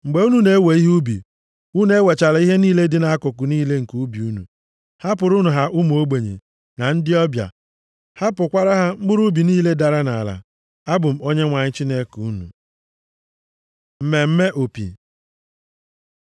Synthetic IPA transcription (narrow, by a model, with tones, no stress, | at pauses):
ŋ͡m̩˨ɡ͡be˨u˦nu˦ne˨˦we˨˦i˦ɦu˦bḭ˨ | u˦n˦e˦we˨t͡ʃa˨la˨˦i˦ɦe˦niː˦le˦dɪ˦na˦kʊ˨kʊ˨niː˦le˦ŋ̩˨ku˦bi˨u˦nṵ˨ | ha˦pʊ˨ɾʊ˦nu˨ɦa˨ʔʊ˦m˨o˦ɡ͡be˨ɲḛ˨ | na˨n̩˦dɪ˦ɔ˦bja̰˨ | ha˦pʊ˨kʷa˦ɾa˦ɦa˦m̩˦bʊ˦ɾu˦bi˨niː˦le˦da˨ɾa˦na˨a̰˨la̰˨ | a˦bʊ˨m̩˨o˦ɲe˦ŋʷa˨ɲɪ˦t͡ʃi˦ne˦ku˦nṵ˨ | m̩˨me˨m̩˦me˦ʔo˨pḭ˨